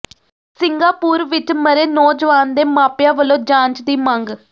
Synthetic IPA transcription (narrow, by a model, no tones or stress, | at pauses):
sɪŋɡaːpuːɾʋɪt͡ʃməɾeːnɔːd͡ʒʋaːnd̪eːmaːpjãːʋəlõːd͡ʒãːɲt͡ʃd̪iːməŋɡ